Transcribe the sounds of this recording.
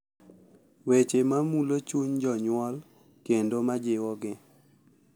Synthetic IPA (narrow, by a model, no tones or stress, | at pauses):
wet͡ʃemamulot͡ʃuɲd͡ʒɔɲwɔl | kendomad͡ʒɪwɔɡɪ